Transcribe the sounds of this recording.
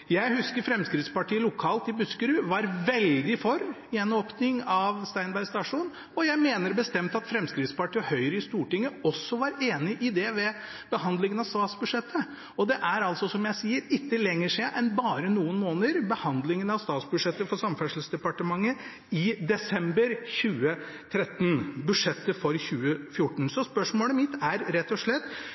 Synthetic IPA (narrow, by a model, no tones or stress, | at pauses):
jæɪhʉskəɾfɾɛmskɾɪt̪spɑʈiːəlʊkʰɑːlt̪ɪbʉskəɾʉːʋɑɾʋɛld̪ɪfɔɾ | ɪɛnoːpnɪŋɑʋst̪æɪnbæɾst̪ɑʂuːn | ɔjæɪmeːnəɾbəst̪ɛmt̪ɑt̪fɾɛmskɾɪt̪spɑʈiːəhœʏɾəɪst̪uːʈɪŋːəɔsːɔʋɑɾeːnɪʔɪd̪ɛʋɛ | b̥əhɑnd̪lɪŋənɑʋsɑːt̪sbʉʂɛt̪ʰːə | ɔd̪ɛʔæɾɑlt̪sɔsɔmjæɪsiːəɾɪt̪ːəlɛŋːəʂɛʔɛnbɑːɾənuːənmoːnəɾbəhɑnd̪lɪŋənɑʋst̪ɑːt̪sbʉʂɛt̪ːəfɔʂɑmfæʂl̩sd̪ɛpɑʈəmɑŋːə | ɪd̪ɛsɛmbəɾçʉːə | t̪ʰɾɛt̪n̩bʉʂɛt̪ːəfɔɾçʉːəfjʊʈːɳ̩sɔspœʂmoːləmɪt̪ːæɾɾɛt̪ːɔʂɭɛt̪ː